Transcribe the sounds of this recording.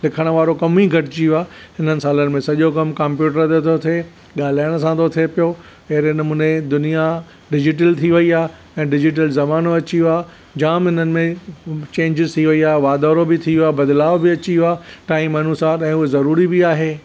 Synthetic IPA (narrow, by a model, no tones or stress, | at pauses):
lɪkʰəɽ̃ʋaːɾokɐmiɡʱɐʈɪt͡ɕiʊaːhɪn̤ənɪ̆saːlənɪ̆mẽsɐʄokɐmkɐ̃mpjuːʈəɾt̪ʰet̪ʰot̪ʰe | ɠaːl̤aːɪəɽ̃s̬ãt̪ʰot̪ʰiepijo | ɐɦɾnɐmũːned̪ʊnija | ɖɪd͡ʑɪʈ̬əlt̪ʰiʋɐiaː | ɛ̃ːɖɪd͡ʑɪʈ̬əlzɐmaːnoɐt͡ɕiʊaː | d͡ʑaːmɦɪnənɪ̆mẽt͡ɕẽːɲd͡ʑɪzt̪ʰiʋɐiaːʋaːd̪aːɾobɪt̪ʰiʊaːbɐd̪laːʋbɪɐt͡ɕiʊaːʈaːĩmːɐnusaːɾɛ̃ːʊezɐɾuːɾibɪaːɦeː